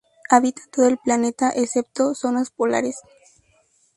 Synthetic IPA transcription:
aβit̪ḁt̪oðoelplane̞t̪aʔesep̚t̪o̞so̞naspola̰ɾes

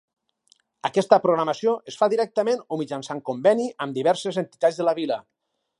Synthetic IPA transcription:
əkɛst̪əpɾoɣɾaməsioʔesfaðiɾɛk̚t̪əmenomid͡ʒansaŋkombɛniəmd̪iβɛɾsezent̪i̥t̪ad͡zðələβilə

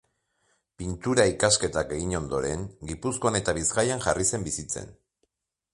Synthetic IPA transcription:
pint̪uɾaikaske̞t̪ake̞ɣ̞iɲo̞nd̪o̞ɾe̞ŋɡipusko̞ane̞t̪aβizɡajaŋʝarise̞mbisit͡se̞̰n

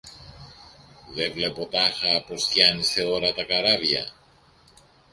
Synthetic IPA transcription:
ðevle̞po̞t̪ɐxɐpo̞scɐniseo̞ɾɐt̪ɐkɐɾɐvʝɐ̰

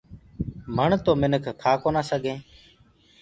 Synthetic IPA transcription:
məɳt̪oːmɪnəkʰkʰaːkoːnaːsəɡʱẽː

